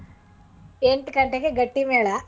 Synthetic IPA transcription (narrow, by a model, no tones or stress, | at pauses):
eɳʈɨkɐɳʈekːeɡɐʈːimeːɭa